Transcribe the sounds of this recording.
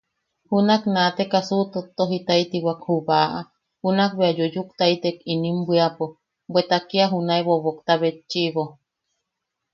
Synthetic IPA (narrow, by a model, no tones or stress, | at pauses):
hunaknat̪ekasut̪ot̪oɦit̪ait̪iwakhuβaʔa | hunak̚βeajojukt̪ait̪ekinimbʷiapo | bwet̪akiaɦunaeβoβokt̪aβet͡ʃːiβo